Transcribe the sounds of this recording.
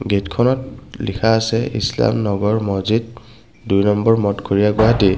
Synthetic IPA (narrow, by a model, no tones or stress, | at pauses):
ɡetkʰɔnɔt̚likʰaːsɛḭsla̰mnɔɡɔɹmɔzid | dujnɔmbɔɹmɔtɡʰʱoɹijaɡwaɦati